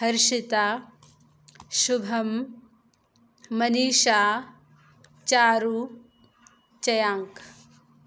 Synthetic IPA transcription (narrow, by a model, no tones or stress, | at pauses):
ɦɐɾʃit̪aː | ʃubʱɐm | ɐniːʃaː | t͡ʃaːɾu | t͡ʃɐjaːŋk